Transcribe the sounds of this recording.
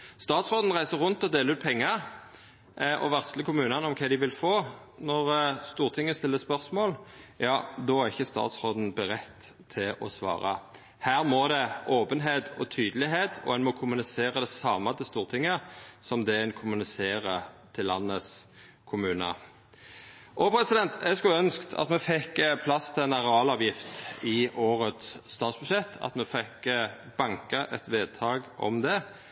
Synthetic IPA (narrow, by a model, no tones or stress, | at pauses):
st̪ɑːt̪sʁoːd̪n̩ʁæɪsəʁʉnt̪ɔd̪eːləɾʉːt̪̚pʰɛŋːəʁ | ʔɔ̰ʋæʁst̪ləkʊmʉːnɑnɔmkʰɛd̪ɪʋɪlfoː | nɔʁst̪uːʁt̪ʰɪŋːəst̪ɪlːəspœʁsmoːljɑːd̪ɔːæʁɪçːəst̪ɑ̰ːt̪sʁoːd̪n̩bəʁɛt̪ʰː | ɪlɔ̰sʋɑ̰ːʁɑ̰ | hæːʁmɔd̪ɛʔoːpənɦeːt̪ʰɔt̪ʰyːd̪əlɪɦeːt̪ʰɔ̰ɛnmɔkʰʊmʉnɪseːɾɑd̪ɛsɑːmɑt̪ʰəst̪uːʁt̪ʰɪŋːəsɔmd̪ɛɛnkʰʊmʉnɪseːʁət̪ʰɪlːɑnːəs | kʰʊmʉːnə̰ | ʔoːpʰɾɛsɪd̪ɛnt̪ɛɡskʉœnskt̪ʰɑ̰t̪mɛfɛkːpʰlɑst̪ʰɪɛnɑʁɑːlɑːʋjɪft̪ɪʔoːʁət̪sːt̪ɑːt̪sbʉʃɛt̪ʰːɑ̰t̪mɛfɛkː | bɑŋkəʔɛt̪ʋeːd̪̚t̪ʰɑːɡɔ̰md̪ɛ